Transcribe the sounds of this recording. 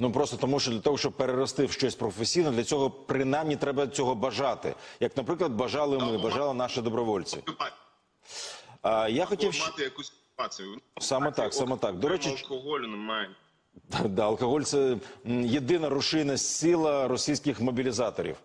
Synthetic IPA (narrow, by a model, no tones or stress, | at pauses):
nupɾɔst̪ɔt̪ɔmuʃt͡ʃɔd̪lʲɐt̪ɔɦɔʃt͡ʃɔb̚peɾeɾɔst̪ɪwʃt͡ʃɔsʲpɾɔfesʲijnɔd̪lʲɐt͡sʲɔɦɔpɾɪnajmnʲit̪ɾɛbɐt͡sʲɔɦɔbɐʒɑt̪ɪ̰jɐknɐpɾɪklˠɐd̪bɐʒɑlˠɪmɪbɐʒɑlˠɪnɑʃɪd̪ɔbɾɔʋɔlʲt͡sʲḭ | ajaxɔtʲiwʃt̪ɪjɐkusʲ | pasʲɪjʊsɑmɛt̪ɑksɑmɛt̪ɑkd̪ɔɾɛt͡ʃɪlˠkɔɦɔlʲnɪmaj | d̪d̪ɑɐlˠkɔɦɔlʲt̪sɛjed̪ɪnɐɾʊʃɪjnɐsʲilˠɐɾɔsʲijsʲkɪxmɔbʲilʲizɑt̪ɔɾʲḭw